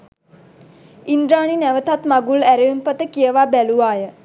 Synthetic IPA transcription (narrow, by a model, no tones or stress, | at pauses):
ind̪ɾaːɳinæʋət̪at̪maɡulæɾeumpət̪əkijəʋabæluʋaːjə